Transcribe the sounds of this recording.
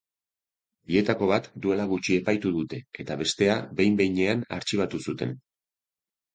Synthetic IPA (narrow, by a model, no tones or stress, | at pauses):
bie̞t̪ako̞β̞at̪d̪ue̞laɣ̞ut͡ʃie̞pajt̪uðut̪e̞e̞t̪aβe̞st̪e̞abe̞jmbe̞jɲe̞ana̰ɾt͡ʃiβat̪usut̪e̞̰n